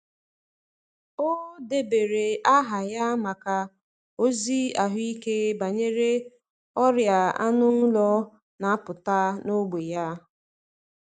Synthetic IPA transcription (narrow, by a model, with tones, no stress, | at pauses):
o˦de˨be˨ɾe˨a˦ɦa˨ja˦ma˨ka˨ | o˦zi˦a˨ɦʊ˦i˦ke˦ba˨ɲe˦ɾe˦ | ɔ˦ɾja˨a̰˦nʊ˦n̩˦lɔ˦ | na˨a˦pʊ˨ta˦no˦ɡ͡be˨ja˦